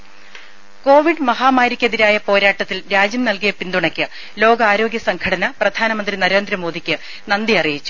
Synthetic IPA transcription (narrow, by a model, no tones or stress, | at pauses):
ko̞ːʋiɖmɐɦaːmaːɾikʲːeðiɾaːjɐpo̞ːɾaːʈːɐt̪ːilɾaːd͡ʑɐmnɐlkijɐpind̪uɳɐkʲːɨ | lo̞ːɡɐaːɾo̞ːɡjɐsɐŋkʰɐɽɐnɐprɐd̪ʱaːnɐmɐnd̪rinɐɾe̞ːnd̪ɾɐmo̞ːd̪ʱikʲːɨ | nɐnd̪iɐrijit͡ɕːu̥